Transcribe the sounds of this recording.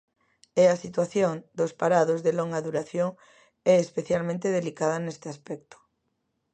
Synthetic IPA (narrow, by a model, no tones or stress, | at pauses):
ɛasit̪waθjoŋd̪ospaɾaðozðeloŋɡaðuɾaθjoŋ | ɛespeθjalmẽnt̪eðelikaðɐnest̪easpɛk̚t̪o̥